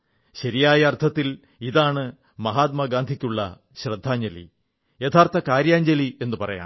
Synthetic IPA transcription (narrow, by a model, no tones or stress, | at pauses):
ɕɐɾijaːjɐːrt̪ʰɐt̪ːil | iðaːɳɨ | mɐɦaːt̪̚mɐɡaːnd̪ʱikʲːuɭːɐ̰ | ɕrɐd̪ʱːaːɲd͡ʑɐlḭ | jet̪ʰaːrt̪ɐkaːɾjaːɲd͡ʑɐlie̞nːɨpɐrɐ̰ja̰ː